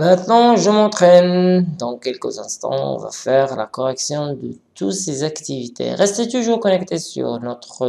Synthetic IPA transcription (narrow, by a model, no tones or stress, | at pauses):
mɛ̃t̪nɑ̃ʒəmɑ̃t̪χɛnd̪ɑ̃kɛlkəzɛ̃st̪ɑ̰̃ɔ̰̃va̰fɛʁla̰kɔʁɛksjɔ̃d̪ə | t̪usezakt̪ivit̪ʰḛʁɛst̪et̪uʒuːʁkɔnɛkt̪esy̰ʁnɔt̪χə